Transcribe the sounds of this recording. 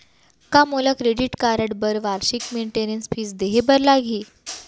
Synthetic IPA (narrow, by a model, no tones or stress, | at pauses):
kamolakɾeɖiʈkaɾəɽbəɾʋaɾɕikmeɳʈenənsfiːsd̪eɦebəɾlaɡʱiː